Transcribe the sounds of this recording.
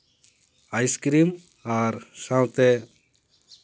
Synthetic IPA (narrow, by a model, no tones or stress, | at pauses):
ajskɾim | aɾsãwt̪ɛ